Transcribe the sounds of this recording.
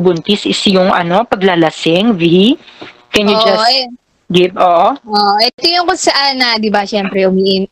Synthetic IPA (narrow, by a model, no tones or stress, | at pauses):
bʊnt̪ɪsɪsjʊŋʔɐ̰no̞pɐɡlɐlɐsɪŋvi | kɛnjud͡ʒɐ | ɡɪpʔoːʔoʔoːʔoʔɛt̪ojʊŋkoŋsɐʔanːɐd̪ɪbɐʃɛmpɾɛʔʊmiːʔɪn